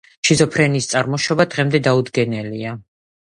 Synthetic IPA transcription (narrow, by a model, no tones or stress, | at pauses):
ʃizɔpʰɾɛnist̪sʼaɾmɔʃɔbad̪ʁɛmd̪ɛd̪aud̪ɡɛnɛlia